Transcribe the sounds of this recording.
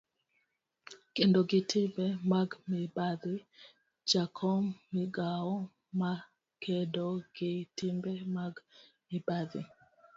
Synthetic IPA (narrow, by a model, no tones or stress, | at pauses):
kendoɡɪtʰɪbemaɡmɪbad̪ɪ | d͡ʒakʰɔmːiɡaɔ | ma | kʰedoɡ̥ɪtimbemaɡmɪbad̪ɪ̰